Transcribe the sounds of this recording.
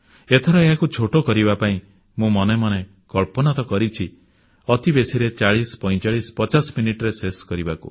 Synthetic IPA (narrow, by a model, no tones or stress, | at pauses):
et̪ʰɔɾɔeɦakut͡ʃʰoʈokɔɾibapaĩ | mũmɔnemɔne | kɔɭpɔnat̪ɔkɔɾit͡ʃʰi | ɔt̪ibesiɾet͡ʃaɭispɔ̃j̃t͡ʃaɭispɔt͡ʃasminiʈɔɾeseskɔɾibakṵ